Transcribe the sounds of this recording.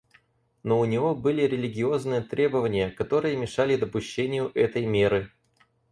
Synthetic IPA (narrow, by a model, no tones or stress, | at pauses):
no̞ʊnʲɪvo̞bɨlʲɪɾʲɪlʲɪɡʲɪo̞znɨjət̪ɾʲʔe̞bəvənʲɪjəkɐt̪o̞ɾɨjəmʲɪʂalʲɪd̪əpʊɕːenʲɪjʊʔɛt̪əjmʲe̞ɾɨ